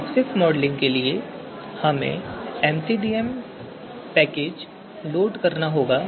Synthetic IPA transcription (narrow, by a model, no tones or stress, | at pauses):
psɪksmɔːɖlɪ̃ŋɡkelie | hɐmḛ̃ɛːmsiːɖiːɛm | pɛːkeːd͡ʒ | loːɖkɐɾnaɦoːɡaː